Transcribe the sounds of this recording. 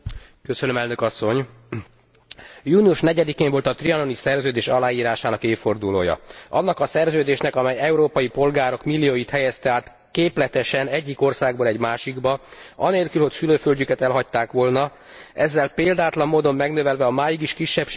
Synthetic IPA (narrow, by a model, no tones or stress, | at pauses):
køsønømɛlnø̞kɒsːo̞ɲ | juːniuʃnɛɟɛd̪ikeːɱvo̞lt̪ɒt̪riɒno̞nisɛrzøːd̪eːʃɒlaːjiːɾaːʃaːnɒkeːfo̞rd̪ulo̰ːjɒ̰ɒ̰nːɒkɒsɛrzøːd̪eːʃnɛkɒmɛjɛuɾoːpɒjipo̞lɡaːɾo̞kmilːijoːjit̪hɛjɛst̪ɛaːt̪ | keːplɛt̪ɛʃɛnɛɟːiko̞rsaːɡ̚boːlɛɟmaːʃiɡbɒɒ̰neːlkylho̞csyløːfølɟykɛt̪ɛlɦɒc̚t̪ːaːkʋo̞lnɒ | ɛzːɛlpeːld̪aːt̪lɒmːoːd̪o̞mːɛɡn̪øvɛlvɛɒmaːjiɡiʃkiʃːɛpʃ